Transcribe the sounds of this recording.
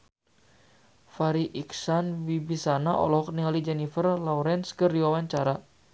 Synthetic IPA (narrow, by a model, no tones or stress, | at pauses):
faɾiʔiksanwibisanaʔɔ̰lɔɦɔk̚niŋalid͡ʒɛnifərlɔɾɛnskərdiwawaɲt͡ʃaɾa